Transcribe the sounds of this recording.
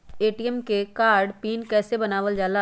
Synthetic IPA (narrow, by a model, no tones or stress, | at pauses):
eːʈiɛmkekaːɾɖpiːnkɛːsebɐnaːʋəld͡ʒaːla